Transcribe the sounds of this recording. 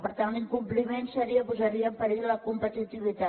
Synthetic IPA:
pəɾt̪anliŋkumplimensəɾiəpuzəɾiəmpəɾiləkumpət̪it̪iβ̞it̪a

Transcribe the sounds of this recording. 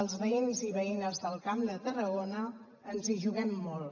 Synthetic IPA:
əlˠzβəinziβəinəzðəlˠkamd̪ət̪ərəɣonəː | nziʒuɣɛmːolˠ

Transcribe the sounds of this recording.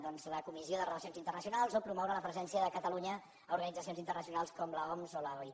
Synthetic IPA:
ðɔnzləkumizioðərələsionzint̪ərnəsiunalˠzopɾumɔwɾələpɾəzɛnsiəðəkət̪əluɲəː | uɾɣənid͡zəs̬ionzint̪ərnəsiunalˠskɔmləɔmzoləj

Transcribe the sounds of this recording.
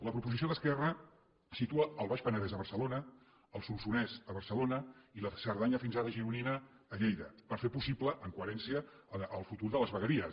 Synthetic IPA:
ləpɾupuzisioðəskɛrə | sit̪uəəlˠβaʃpənəðɛzəβərsəlonə | əlˠsunsunɛzəβəɾsəlonəiləsəɾðaɲəfinzaɾəʒiɾuninəː | ʎejðəpəɾfepusipləʔəŋkuəɾɛnsiəːlˠfut̪uɾðələzβəɣəɾiə

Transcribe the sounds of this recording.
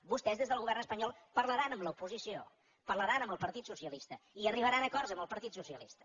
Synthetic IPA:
bust̪ɛzðezðəlˠɣuβɛrnəspəɲɔlˠpəɾləɾanəmləupuzisio̰ | pərləɾanəmbəlˠpəɾt̪it̪susiəlist̪əiəriβəɾanəkɔɾzəmbəlˠpəɾt̪it̪susiəlist̪ə̥

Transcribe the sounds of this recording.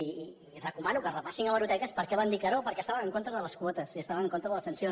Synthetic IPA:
i | rəkumanukərəpasiŋəβəɾut̪ɛkəspəɾkɛβand̪ikəɾopəɾkɛəst̪aβənəŋkont̪ɾəðələskwɔt̪əsiəst̪aβəməŋkont̪ɾəðələsənsjo

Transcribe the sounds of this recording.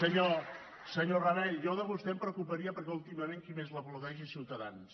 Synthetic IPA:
səɲo | səɲoraβɛjɔðəβust̪ɛmpɾəkupəɾiəpəɾkɛulˠt̪iməmeŋkimezləpluɣɛʒisiwt̪əða̰ns

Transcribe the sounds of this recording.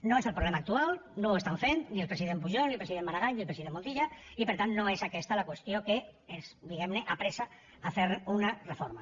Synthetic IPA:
noeselpɾolɛmaːk̚t̪ualnowest̪aɱfent̪nielpɾesiðemp̬uʒonilpɾesiðemːaɾaɣajnilpɾesiðẽmːont̪iʎaipeɾt̪annoesakɛst̪alakwest̪jokeezd̪iɣɛmneʔapɾesa | afeɾunarefoɾma

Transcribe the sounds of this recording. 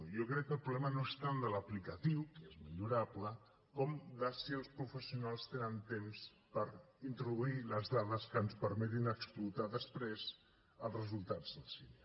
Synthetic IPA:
jokɾɛkːəlˠpɾuβlɛmənoest̪and̪ələplikət̪iwkezməʎuɾaplə | kɔmd̪əsiəlˠspɾufəsiunalˠst̪enənt̪ems | pəɾint̪ɾuðuiləzðaðəskənspəɾmɛt̪inəksplut̪aðəspɾez | əlˠzrəzulˠt̪ad͡zðəlˠsine

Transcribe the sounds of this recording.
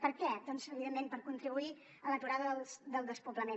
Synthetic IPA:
pəɾkɛd̪ɔnzəβiðemːempəɾkunt̪ɾiβui | ələt̪uɾaðəðəlˠsd̪əlˠd̪əspupləme

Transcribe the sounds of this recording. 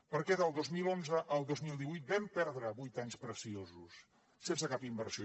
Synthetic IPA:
pəɾkɛðəlˠd̪ozmilonzəʔəlˠd̪ozmilˠd̪iβujt̪̚bɛmpɛɾðɾəβujt̪aɲspɾəsiozusː | ensəkapimbəɾsio

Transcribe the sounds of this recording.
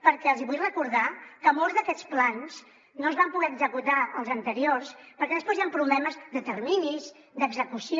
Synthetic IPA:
pəɾkɛəlˠziβujrəkuɾðakəmolˠzðəkɛt͡splans | noəzβampuɣɛəɡzəkut̪aəlˠzənt̪əɾiorspəɾkɛðəspozjampɾuβlɛməzd̪ət̪əɾminiz | d̪əɡzəkusi

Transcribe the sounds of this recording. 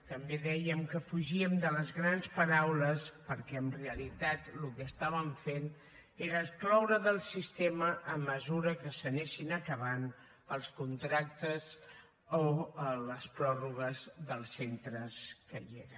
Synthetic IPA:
t̪əmbeðɛjəmkəfuʒiəmd̪ələzɣɾanspəɾawləspəɾkɛənreəlit̪at̪lukəːst̪aβ̞əɱfen | eɾəsklawɾəðəlˠsist̪eməʔəmːəzuɾəkəsəneʃinəkəβan | əlˠskunt̪ɾak̚t̪əz | oələspɾɔruɣəzðəlˠsent̪ɾəskəjeɾə

